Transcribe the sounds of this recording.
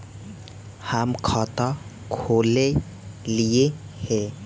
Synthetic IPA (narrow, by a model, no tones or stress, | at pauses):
hamkʰɔt̪ɔ | kʰole | liehɛ